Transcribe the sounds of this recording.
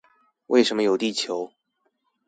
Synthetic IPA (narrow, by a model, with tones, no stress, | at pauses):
wʔḛ˥˩ɪʂə˧˥nmə˧jo˨˩ʊt̪i˥˩t͡ɕʰjo˧˥˦ʊ